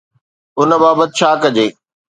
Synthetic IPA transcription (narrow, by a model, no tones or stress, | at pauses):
ʊnə̆baːbət̪ɪʃʰaːkɐd͡ʑeː